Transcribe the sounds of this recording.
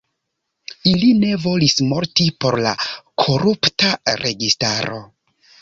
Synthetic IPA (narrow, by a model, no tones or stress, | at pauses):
iline̞vo̞lismo̞ɾtipo̞ɾlakʰo̞ɾuptaɾʔe̞ɡistaɾo̞̰